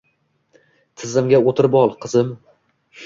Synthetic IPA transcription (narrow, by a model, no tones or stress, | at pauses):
t̪ʰɪzɪmɡʲaot̪ʰɪɾbɒlˠqʰɨzɪm